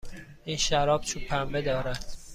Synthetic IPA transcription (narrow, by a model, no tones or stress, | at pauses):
iːnʃæɾɒːb̥̚t͡ʃʰupʰæmbed̪ɒːɾæd̪̥